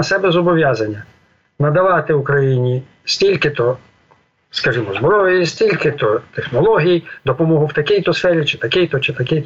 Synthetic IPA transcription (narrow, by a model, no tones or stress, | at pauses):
ɐsɛbɛzɔbɔʋʲjazɐnʲːɐ | nɐd̪ɐʋɑt̪ɪukɾɐjinʲi | sʲtʲilʲkɪt̪ɔ | skɐʒimɔzbɾɔjisʲtʲilʲkɪt̪ɔt̪exnɔlˠɔɦʲijd̪ɔpɔmɔɦʊwt̪ɐkʲijt̪ɔsfɛɾʲit͡ʃɪt̪ɐkijt̪ɔt͡ʃɪt̪ɐkʲɪjt̪